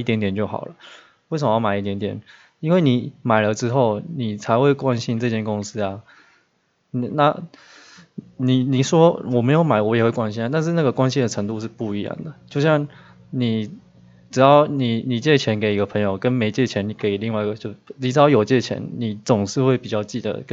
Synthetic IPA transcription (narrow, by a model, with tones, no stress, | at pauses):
i˥˩t̪jɛ˧˥nt̪jɛ˨˩nt͡ɕjo˥˩ʊxɑ̰˨˩ʊlə˦ | we˥˩s̬ə˨mə˧jɑ˥˩ma˨˩ɪi˥˩t̪jɛ˧˦nt̪jɛ˨˩n | i˥nwe˥˩ɪni˨˩ma˨˩ɪlə˦ʈ͡ʂɻ̩˥xo˥˩ʊni˨˩t͡sʰa˧ɪxwe˥˩ɪkwa˥˧nɕi˥nʈ͡ʂɤ˥˧t͡ɕjɛ˥˧nkʊ˥ŋs̩˥a˨ | n˨na̰˥˨ | ni˨˩ni˨˩ʂwɔ˥wɔ˨˩me˧˥ɪjo˧˥ma˨˩ɪwɔ˧˦jɛ˨˩xwe˥˩kwa˥nɕi˥na˧˦t̪nʂ̬̩˥˧˦na˥˩ɡə˩kwa˥nɕi˥nd̪ə˨ʈ͡ʂʰɤ˧˥ŋt̪u˥˧ʂ̬ɻ̩˥˧pu˥˩i˧˥jɑ̰˥˩ŋd̪ə˩t͡ɕjo˥˧ʊɕjɑ˥˩ŋ | ni˨˩ | ʈ͡ʂɻ̩˨˩t̪ɑ˥˩ʊni˨˩ni˨˩t͡ɕjɛ˥˩t͡ɕʰjɛ˧˦nke˨˩ɪi˧˥ɡə˧pʰɤ˧˥ŋjo˨˩ʊkə˦nme˧˥ɪt͡ɕjɛ˥˩t͡ɕʰjɛ˧˦ni˨˩ke˧˩ɪi˨˩li˥˧ŋwa˥˩i˧ɡə˨˩t͡ɕjo˥˩ni˨˩ʈ͡ʂɻ̩˨t̪ɑ˥˩jo˨˩ʊt͡ɕjɛ˥˧t͡ɕʰjɛ̰˧˦˥nni˨˩t͡sʊ˨˩ŋʂɻ̩˥˧xwe˥˩ɪpi˨˩t͡ɕjɑ˥˧ʊt͡ɕi˥˩d̪ə̰˩k